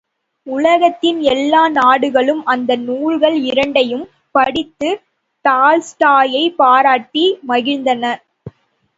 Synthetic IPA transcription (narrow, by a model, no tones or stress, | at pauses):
ʊlɐɣɐt̪ːɪnɛlːaːnaːɽɯɣɐɭɯmʔɐnd̪ɐnuːɻɣɐɭɪɾɐɳɖɐjɯm | pɐɽɪt̪ːɯ | t̪aːlsʈaːjɐɪpaːɾaːʈːimɐɣɪnd̪ɐnɐ